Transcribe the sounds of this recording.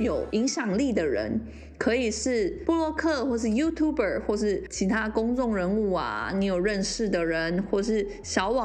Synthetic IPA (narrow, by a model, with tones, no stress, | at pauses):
jo˨˩ʊi˧˥ŋɕjɑ˨˩ŋli˥˩d̪ə˩ɻə̰˧˥n | kʰɤ˧˥i˨˩ʂɻ̩˥˩pu˥˧lwɔ˥˧kʰɤ˥˧xwɔ˥˧ʂ̬ɻ̩˥˩ju˥t̪ʰju˥˩bə̰˨˩xwɔ˥˧ʂɻ̩˥˩t͡ɕʰi˧˥t̪ʰa˥kʊ˥ŋʈ͡ʂʊ˥˩ŋɻə˧˥nu˥˩ɐ̰˩ni˧˥jo˨˩ʊɻə˥˧nʂɻ̩˥˩d̪ə˩ɻə˧˦˥nxwɔ˥˩˧ʂɻ̩˥˩ | ɕjɑ˧˥ʊwɑ˨˩